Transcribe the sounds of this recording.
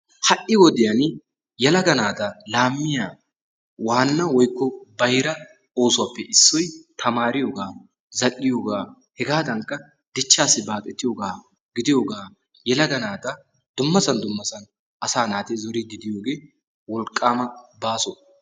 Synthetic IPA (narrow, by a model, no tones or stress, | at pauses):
hɐʔɪwɔd̪ɪjɐn | jɛlɐɡɐnaːt̪ɐlaːmːɪjaː | waːnːɐwɔjkːɔbɐjɾɐ | o̞ːsʊwaːpːɛʔɪsːɔjt̪ʰɐmaːɾɪjoːɡaː | zɐlːɪjo̞ːɡaː | hɛɡaːd̪ɐŋkːɐ | d̪ɪt͡ʃːaːsːɪbaːk̪ʼːɛt̪ːɪjoːɡaː | ɡɪd̪ɪjoːɡaː | jɛlɐɡɐnaːt̪ɐ | d̪̥ʊmːɐsɐnd̪ʊmːɐsɐn | ʔɐsaːnaːt̪ɪzɔɾid̪ɪd̪ɪjoːɡe̞ː | wɔlkʼːaːmɐbaːsɔ